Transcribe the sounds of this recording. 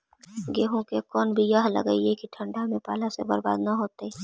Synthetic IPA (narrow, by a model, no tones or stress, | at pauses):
ɡeːɦõkekɔːnbʱijəɦlə̰ɡə̰iekiʈʰə̃ɳɖamẽpa̰ːlasḛbɐɾba̰ːd̪naɦoːt̪e